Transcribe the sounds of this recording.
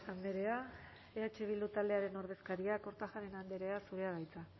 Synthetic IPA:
and̪e̞ɾe̞a | e̞at͡ʃe̞β̞ild̪ut̪ald̪e̞aɾe̞no̞ɾð̞e̞skaɾiako̞ɾt̪aʝaɾe̞nand̪e̞ɾe̞asuɾe̞aβajt͡sa

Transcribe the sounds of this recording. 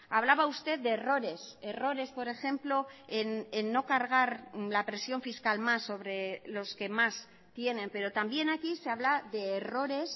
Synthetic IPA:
aβ̞laβaust̪e̞ð̚d̪eːro̞ɾe̞se̞ro̞ɾe̞spo̞ɾe̞xe̞mplo̞enenːo̞kaɾɣ̞aɾlapɾe̞sjo̞ɱfiskalmasːo̞β̞ɾe̞lo̞ske̞mas | t̪je̞ne̞mpe̞ɾo̞t̪ambje̞nakiseaβlaðe̞ːro̞ɾe̞s

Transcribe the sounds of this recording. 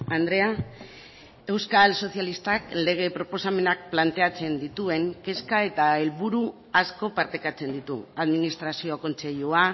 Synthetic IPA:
and̪ɾe̞a | e̞wskalso̞θjalist̪akle̞ɣ̞e̞pɾo̞po̞same̞nak̚plant̪e̞at͡se̞nd̪it̪ue̞ŋke̞skae̞t̪ae̞lβuɾu | asko̞paɾt̪e̞kat͡se̞nd̪it̪ṵaðminist̪ɾasio̞ko̞nse̞ʎua

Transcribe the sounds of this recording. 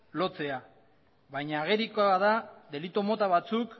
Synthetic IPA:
lo̞t͡se̞a | βajɲaːɣ̞e̞ɾikoaðaðe̞lit̪o̞mo̞t̪aβat͡suk

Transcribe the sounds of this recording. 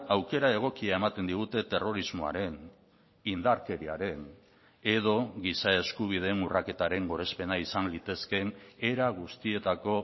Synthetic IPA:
awke̞ɾae̞ɣ̞o̞kiae̞mat̪e̞nd̪iɣut̪e̞t̪e̞ro̞ɾizmoa̰ɾe̞n | ind̪aɾke̞ɾiaɾe̞n | e̞ð̞o̞ɣisae̞skuβ̞ið̞enurake̞t̪aɾe̞ŋɡo̞ɾe̞spe̞naisanlit̪e̞ske̞ne̞ɾaɣ̞ust̪ie̞t̪ako̞

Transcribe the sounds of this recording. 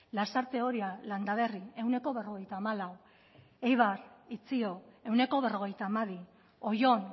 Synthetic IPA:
lasaɾt̪e̞o̞ɾialand̪aβ̞e̞rie̞wne̞ko̞βe̞ro̞ɣ̞e̞jt̪aːmalaw | ejβarit͡sio̞e̞wne̞ko̞β̞e̞ro̞ɣ̞e̞jt̪aːmaβi | o̞jo̞n

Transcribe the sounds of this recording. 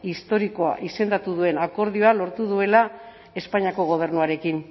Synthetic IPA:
ist̪o̞ɾiko̞a̰ʔise̞nd̪at̪uðue̞nako̞ɾð̞io̞alo̞ɾt̪uðue̞la | e̞spaɲiako̞ɣ̞o̞β̞e̞rnuaɾe̞kin

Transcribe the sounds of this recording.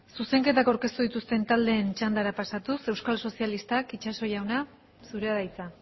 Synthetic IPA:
suse̞ŋke̞t̪akawɾke̞st̪uðit̪ust̪e̞nt̪ald̪e̞ːnt͡ʃand̪aɾapasat̪use̞wskalso̞sialist̪akit͡ʃaso̞ʝawna | suɾeaðajt͡sa

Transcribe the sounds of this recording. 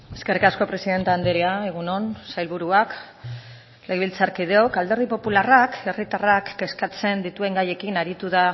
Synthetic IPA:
e̞ske̞rikasko̞pɾe̞siðe̞nt̪eand̪eɾiaeɣ̞uno̞nsajlβuɾuak | leɣβilt͡saɾkið̞e̞o̞kald̪e̞ɾð̞ipo̞pularake̞rit̪arakːe̞skat͡se̞nd̪it̪ue̞ŋɡaje̞kinaɾit̪uða

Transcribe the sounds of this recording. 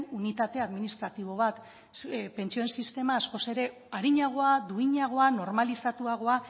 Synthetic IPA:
unit̪at̪e̞aðminist̪ɾat̪iβ̞o̞β̞at̪ | pe̞nt͡ʃt͡sio̞ensist̪e̞maːsko̞se̞ɾe̞ | aɾiɲaɣ̞o̞ad̪uiɲaɣ̞o̞ano̞ɾmalisat̪uaɣ̞o̞a

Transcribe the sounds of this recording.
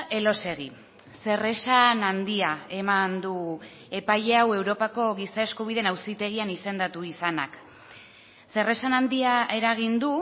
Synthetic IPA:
e̞lo̞se̞ɣi | se̞re̞sanand̪iae̞mand̪u | e̞pajʎe̞awe̞wɾo̞pako̞ɣisaeskuβ̞iðenawsit̪e̞ɣ̞ianise̞nd̪at̪uisanak | se̞re̞sanand̪iae̞ɾaɣ̞ind̪u

